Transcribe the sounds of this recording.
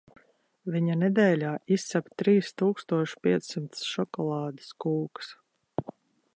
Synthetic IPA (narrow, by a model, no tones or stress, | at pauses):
viɲanɛd̪ɛːlʲaːisːapt̪ɾiːst̪uːkst̪uɔʃpʲiɛt̪sːimt̪sʃɔkɔlˠɑːd̪ɨ̥skuːks